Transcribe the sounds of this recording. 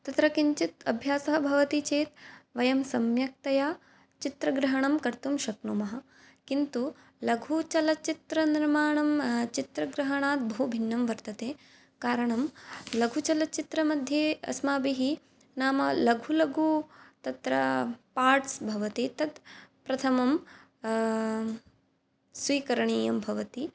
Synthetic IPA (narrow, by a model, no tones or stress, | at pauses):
t̪ɐt̪ɾɐkiɲt͡ʃit̪ɐ̰bʱjaːsɐɦɐbʱɐʋɐt̪it͡ʃeːt̪ʋɐjɐmsɐmjɐk̚t̪ɐjaː | t͡ʃit̪ɾɐɡɾɐɦɐɳɐmkɐɾt̪umʃɐknumɐɦɐ̆ | kint̪u | lɐɡʱut͡ʃɐlɐt͡ʃit̪ɾɐniɾmaːɳɐmt͡ʃit̪ɾɐɡɾɐɦɐɳaːt̪̚bʱɐɦubʱinːɐmʋɐɾt̪ɐt̪eː | kaːɾɐɳɐmlɐɡʱut͡ʃɐlɐt͡ʃit̪ɾɐmɐd̪ʱjeːɐ̰smaːbiɦi | naːmɐlɐɡʱulɐɡʱut̪ɐt̪ɾɐ̰paːɾʈsbʱɐʋɐt̪it̪ɐt̪pɾɐt̪ʰɐmɐm | sʋiːkɐɾɐɳiːjɐmbʱɐʋɐt̪i